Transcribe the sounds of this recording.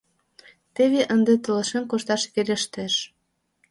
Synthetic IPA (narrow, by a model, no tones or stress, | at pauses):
t̪eβeʔənd̪et̪ə̆lə̆ʃenkoʃt̪ɑʃβelʲeʃt̪eʃ